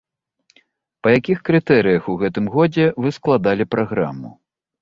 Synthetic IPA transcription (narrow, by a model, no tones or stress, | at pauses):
pɐjakʲixkɾɨt̪ɛɾɨjɐxuɣɛt̪ɨmɣɔd͡zʲɛvɨsklˠad̪alʲipɾaɣɾa̰mṵ